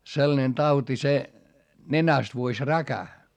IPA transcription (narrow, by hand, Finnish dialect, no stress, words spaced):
selːɑ̆nen tɑuti se nenæst ʋuosʲ rækæ